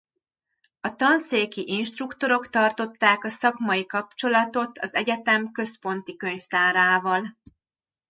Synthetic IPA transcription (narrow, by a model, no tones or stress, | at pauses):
ɒt̪ɒnseːkiʔinʃt̪rukt̪o̞ɾo̞kt̪ɒrt̪ot̪ːaːkɒsɒkmɒjikɒp̚t͡ʃo̞lɒt̪o̞t̪ʰɒzɛɟɛt̪ɛmkø̞spo̞nt̪ikø̞ɲft̪aːɾaːvɒl